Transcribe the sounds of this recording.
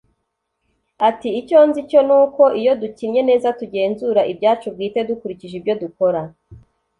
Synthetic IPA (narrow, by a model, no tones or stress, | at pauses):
atiːco̞nzico̞nuːko̞ʔijo̞ducinɲe̞ne̞ːzatuɟe̞ːnzuɾaʔibjaːt͡ʃub̚ɡiːte̞dukuɾiciʒibjo̞duko̞ɾa